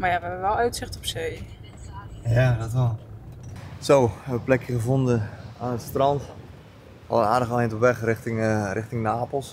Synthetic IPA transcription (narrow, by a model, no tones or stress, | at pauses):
majaʋɛbəʋɛlˠœɥtsɪxtɔpsej | jadɔtʋɛlˠ | sowhɛʋəʋəplɛkjəχəvondəaːnətstrɑnt | ɔlˠəa̰ːdəɣəlɪjntɔpʋɛχrɪχtɪŋrʔɪχtɪŋnaːpəl̩ˠs